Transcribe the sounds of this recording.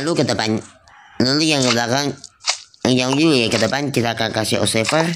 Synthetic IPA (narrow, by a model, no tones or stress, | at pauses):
lukət̪əpan | nulujaŋɡəbəlakaŋ | ŋjaŋjukət̪əpankit̪akakasḭo̰sefər